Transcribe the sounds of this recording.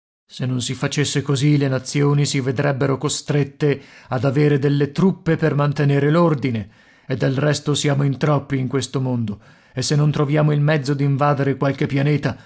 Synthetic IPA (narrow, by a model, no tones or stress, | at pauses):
senːonsifat͡ʃesːekozilenat̪sːjoːnisived̪ɾɛbːeɾokost̪ɾet̪ːead̪aveːɾed̪elːet̪ɾupːepermant̪eneːɾelord̪ine | ed̪ːelrɛst̪osjaːmoint̪ɾɔpːiːŋkwest̪omond̪o | esːenːont̪ɾovjaːmoilmɛd̪zːod̪iɱvaːd̪eɾekwalk̟epːjaneːt̪a